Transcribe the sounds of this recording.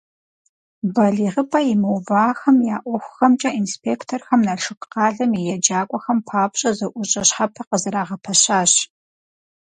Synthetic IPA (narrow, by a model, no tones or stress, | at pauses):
bɐɮiːʁəpʼɐimɨwvaːxɐmjaːʔʷɔxʷxɐmt͡ʃʼɐʔinspʰeːktʰorxɐmnaɬɨkʼqɑːɮɐmijɛd͡ʒaːkʷʼɔxɐmpʰaːpɕʼɐzɐʔʷʊɕʼɐɕħapʰɐqəzɐɾaːʁɐpʰɐɕaːɕ